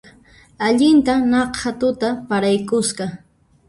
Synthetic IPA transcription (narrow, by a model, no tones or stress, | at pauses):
aʎɪnt̪anɑqhat̪ʊt̪apaɾajkʊsɢɑ